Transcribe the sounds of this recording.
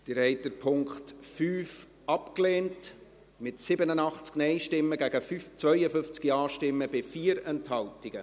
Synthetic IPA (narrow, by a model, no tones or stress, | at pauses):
d̪̥əɾhɛɪt̚d̥əɾpʰʊŋkχtfyːf | ʔɑpkleːnt | mɪtsɪbənənɑχt͡sknɛɪʃtɪmːəɡæɡəfyt͡sʋœʏəfʏnft͡skiɑːʃtɪmːəbɪfiːəɾɛnthɑltɪɡ̥ə